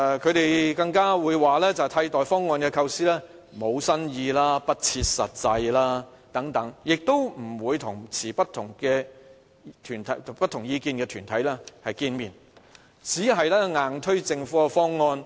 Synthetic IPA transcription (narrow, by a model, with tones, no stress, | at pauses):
kʰɵ˨˧ɥt̪e˨jkɐ˧ŋkaː˥wuː˨˧jwaː˨lɛː˥t͡sɐ˨˩wt̪ʰɐ˧jt̪ɔː˨jfɔː˥ŋːɔː˧nkɛː˧kʰɐ˧wsiː˥lɛː˥ | mo˨˧wsɐ˥njiː˧laː˥pɐ˥t̚t͡sʰiː˧t̚sɐ̰˨t̚t͡sɐ˧jlaː˥ | t̪ɐ˨˥ŋt̪ɐ˨˥ŋjɪ˨k̚t̪o˥wm̩˨˩wuː˨˧jt̪ʰʊ˨˩ŋt͡sʰiː˨˩pɐ˥t̪ʰːʊ˨˩ŋkɛː˧ | t̪ʰyː˨˩nt̪ʰɐ˨˥jpɐ˥t̪̚ʰʊ˨˩ŋjiː˨˧kiː˨˧nkɛː˧t̪ʰyː˨˩nt̪ʰɐ˨˥jlɛː˥hɐ˨jkiː˧nmiː˨n | t͡siː˨˥ɦɐ˨jlɛː˥ŋaː˨˩ŋt̪ʰɵ˥ɥt͡sɪ˧ŋfuː˨˥ka˧fɔː˥ŋːɔː˧n